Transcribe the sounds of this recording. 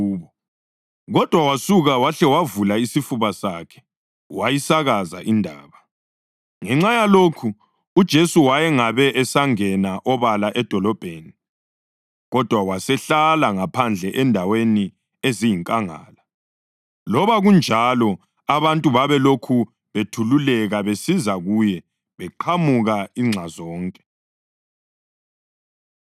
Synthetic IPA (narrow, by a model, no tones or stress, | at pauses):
βɔ | ɣɔd̥ʱwawasuɣawaɬɛwavulaisifuβasakʰɛ̥ | wajisaɣaza̰ʔindʱa̰ːβa | ŋɛŋ͡ǁajaloːkʰu | ud̥ʒ̥ʱesuwajɛŋaβɛʔɛsaŋɛnaʔɔβalaʔɛd̥ʱɔlɔb̥ʱeːni | ɣɔd̥ʱwawasɛɬalaŋapʰand͡ɮʱɛʔɛndʱaweni | ezijiŋkʼaŋa̰ːla | lɔβaɣund͡ʒʱalɔ | aβantʼuβaβɛlokʰu | βetʰululɛɣaβesizaɣujɛ | βɛǃʰamuɣaiŋ͡ǁʱazɔːŋkʼɛ̥